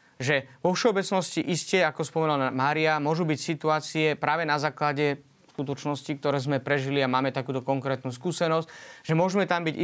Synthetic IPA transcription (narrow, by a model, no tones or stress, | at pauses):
ʒɛʋɔfʃɛɔbɛt͡snɔsciʔiscɛakɔspɔmɛnalmaːɾiamʊɔʒubicsit̪uaːt͡siɛpɾaːʋɛnazaːklaɟɛ | skut̪̬ɔt͡ʃnɔscik̚t̪ɔɾɛːzmɛpɾɛʒiliamaːmɛt̪akuːt̪ɔkɔŋkɾɛːt̪nuːskuːsɛnɔscʒɛmʊɔʒmɛt̪ambiɟ